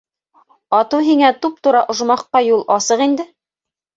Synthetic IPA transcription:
ɑt̪uɦiŋæt̪up̚t̪uɾɑʔŏʒmɑqːɑjulˠʔɑsɤqind̪ɘ

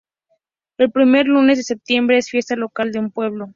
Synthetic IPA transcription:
e̞lpɾime̞ɾlune̞zðesep̚t̪je̞mbɾe̞esfje̞st̪alokald̪e̞umpwe̞β̞lo̞

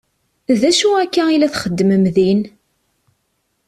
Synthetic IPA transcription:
ðæʃuækːæilæθχəd̪ːəməmðin

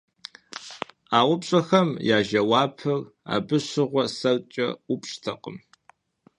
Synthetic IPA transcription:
aːwʷʊpɕʼɐxɐmjaːʒɐwaːpʰɨra̰ːbɨɕɨʁʷɔsɐlt͡ʃʼɐ̰upʼɕʼtʰɐqʼə̰m

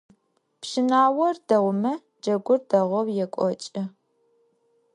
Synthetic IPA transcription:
pʃɪnaːwɔrd̥ɐwʷʊmɐ | d͡ʒɐɡʷʊrdɐʁʷɔwjɛkʷʼɔt͡ʃʼɪ

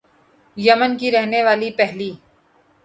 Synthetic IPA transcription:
jɐmənkiɾɛɦneʋaːlipɛɦliː

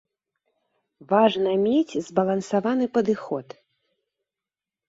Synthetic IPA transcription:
vaʐnɐmʲet͡sʲzbɐlˠɐnsavanɨpɐd̪ɨxɔt̪

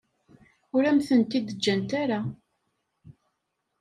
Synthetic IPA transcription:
ʊɾæmθənt̪id̪əd͡ʒːænt̪aɾa

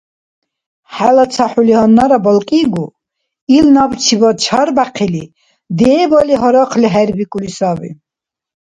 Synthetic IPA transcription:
ħalat͡sʰaħuliɔnːaɾabɔlkʼiɡu | ilnabt͡ʃʰibɔd̪̚t͡ʃʰaɾbaqʰili | d̪ɛːbɔliɦɔɾɔqʰliɦɛɾbikʼulisabḭ

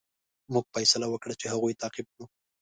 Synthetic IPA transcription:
muɡ̚fajsalawəkɽat͡ʃehaɣujt̪ɑqib̚nu

